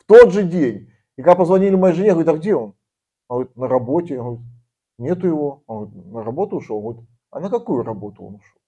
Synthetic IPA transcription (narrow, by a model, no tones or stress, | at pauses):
ft̪o̞d̪ʐɨdʲenʲ | ɪikɐɡd̪apəzvɐnʲilʲɪmɐjejʐɨnʲeɣəɾʲit̪ɐɡdʲeo̞n | onɣəɾʲit̪nəɾɐbo̞tʲɪjɡəɾʲit̪̚ | nʲe̞t̪ʊjɪvo̞onɣəɾʲt̪nəɾɐbo̞t̪ʊːʂolˠɡəɾit̪ | ɐ̰nəkɐkujʊɾɐbo̞t̪ʊo̰nʊʂolˠ